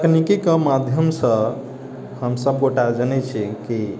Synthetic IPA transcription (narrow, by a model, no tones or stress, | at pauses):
knikikəmad̪ʱjəmsə̃ | həmsəb̚koʈad͡ʒənɛt͡ʃʰiki